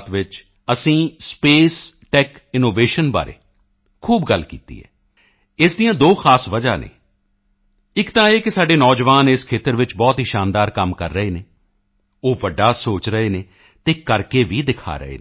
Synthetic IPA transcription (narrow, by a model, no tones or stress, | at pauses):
t̪ʋɪt͡ʃ | əsĩːspeːsʈɛːkɪnoːʋeːʃənba̰ːɾʔḛː | kʰuːbɡəlːkḭːt̪ḭːɦɛ̰ː | ɪːsd̪ijãːd̪oːxʰaːsʋəd͡ʒaːnḛː | ɪkt̪ãːeːkɪsaːɖeːnɔːd͡ʒʋaːnɪskʰeːt̪əɾʋɪt͡ʃbɔːt̪ɦiʃaːnd̪aːɾkəmkə̰ɾːəɦeːneː | oːʋəɖːaːsoːt͡ʃɾəeːneː | t̪eːkəɾkeːʋiːd̪ɪkʰa̰ːɾə̰ɦḛː